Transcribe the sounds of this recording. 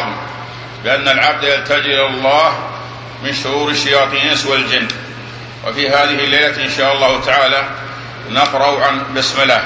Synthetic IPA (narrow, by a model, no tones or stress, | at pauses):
m | bɪʔanːalʕab̚d̪jalt̪ad͡ʒʔɪlalˤːɑːh | mɪnʃʊɾuːɾɪʃːajɑːt̪ˤiːnswald͡ʒɪnː | wa̰fiːɦaːðɪhɪlːajlaʔɪnʃaːʔɑlˤːɑːhʊt̪aʕaːla | naqɾˤɑʕanbɪsmɪlaː